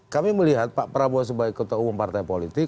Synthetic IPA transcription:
kamiməliɦat̪̚paʔpəɾabuas̬əbaikːət̪aumumpart̪ajpolit̪ɪ

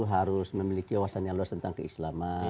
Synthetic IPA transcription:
uɦaɾʊsməmilikiawasanjaŋluast̪ənt̪aŋkəislama

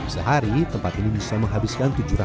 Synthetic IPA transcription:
sə̰ɦaɾit̪əmpat̪inibisaməŋɦabiskant̪ud͡ʒuɾa

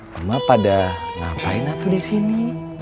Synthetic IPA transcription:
umapadaŋa̰pa̰inat̪udisini

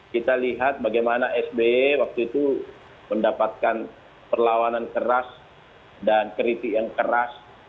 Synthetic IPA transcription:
kit̪aliɦat̪̚baɡajmanaʔɛsbewak̚t̪uit̪u | məndapat̪̚kan | pərlawanankəɾas | dankɾit̪ijaŋkəɾas

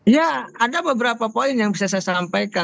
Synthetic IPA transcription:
jaadabəbəɾapapoɪnjaŋbisasasampajka

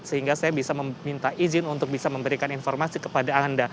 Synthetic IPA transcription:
səhiŋɡasajabisaməmint̪aʔizɪnunt̪ʊk̚bisaməmbəɾikaninfɔrmasikə̥padaanda

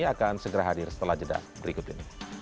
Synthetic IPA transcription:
iakansəɡəɾaɦadɪrsə̥t̪əlahd͡ʒəda̰bəɾikʊt̪ini

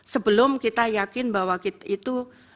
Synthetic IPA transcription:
səbəlʊmkit̪ajakɪnbaɦwakit̪it̪u

